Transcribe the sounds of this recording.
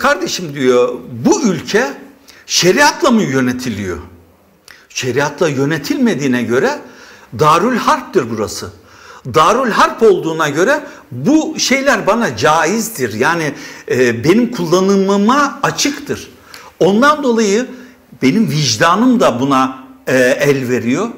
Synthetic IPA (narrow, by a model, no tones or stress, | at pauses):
kʰaɾd̪e̞ʃimd̪ijo̞buylʲcʰɛ | ʃe̞ɾiat̪ʰlˠamɯjø̞ne̞t̪ʰilʲijo̞̰ | ʃe̞ɾijat̪ʰlˠajø̞ne̞t̪ʰilʲme̞d̪iːnɛɟø̞ɾɛd̪aːɾylʲhaɾp̚t̪iɾbuɾa̰sɯ | d̪aːɾylʲɦaɾpo̞lˠd̪uːnaɟø̞ɾɛbuʃe̞jlʲæɾbanad͡ʒaːjizd̪iɾjaːni | be̞nimkʰulˠːanɯmmaːt͡ʃʰɯkt̪ʰɯɾ̥ | o̞nd̪and̪o̞lˠajɯ | be̞nimviʒd̪aːnɯmd̪abuna | ælʲve̞ɾijo̞